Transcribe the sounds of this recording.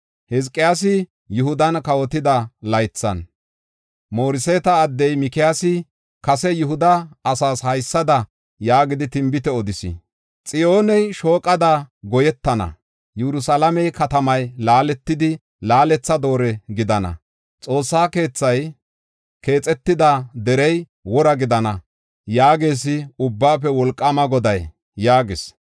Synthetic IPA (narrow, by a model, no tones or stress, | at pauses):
hɛzkʼːɪjaːs̬ɪ | jʊhʊd̪ɐnkɐwɔt̪ɪd̪ɐlɐjt͡sːɐ̰n | mo̞ːɾɪseːt̪ɐːd̪ːɛjmɪkɪjaːsɪ | kɐsɛjʊhʊd̪ɐːsaːshɐjsːɐd̪ɐ | jaːɡɪd̪ɪt̪ɪmbɪt̪ɛɔd̪ɪsɪ̰ | t͡sʼɪjo̞ːnɛjʃo̞ːkʼːɐd̪aɡɔjɛt̪ːɐnɐ̰ | jɛɾʊsɐlɐmɛjkɐt̪ɐmɐjlaːlɛt̪ːɪd̪ɪ | laːlɛt͡sːɐd̪o̞ːɾɛɡɪd̪ɐnɐ̰ | t͡sʼo̞ːsːaːke̞ːt͡sːɐj | ke̞ːt͡sʼɛt̪ːɪd̪ɐd̪ɛɾɛj | wɔɾɐɡɪd̪ɐnɐ | jaːɡeːs̬ɪʊbːaːpɛwɔlkʼːɐmɐɡɔd̪ɐj | jaːɡɪs